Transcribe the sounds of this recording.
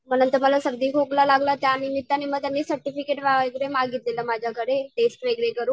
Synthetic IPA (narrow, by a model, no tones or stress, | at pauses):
m̤ənənt̪əɾməlasəɡd̪ʱiːkoklalaɡlat̪janimit̪ːaniməɡ̚t̪janːiːsəɾʈifikeʈʋaɡɾemaɡit̪leləmad͡ʑʱjakʰəɾeʈesʈʋeɡɭekəɾuː